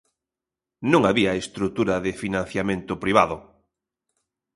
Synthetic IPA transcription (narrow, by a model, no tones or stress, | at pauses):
nõŋaβiaest̪ɾut̪uɾɐðɪfinãn̟θjamẽnt̪ʊpɾiβ̞aðʊ